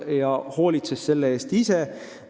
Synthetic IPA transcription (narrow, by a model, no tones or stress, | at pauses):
jɑho̞ːlʲit̪sesːe̞lːeeːst̪ise̞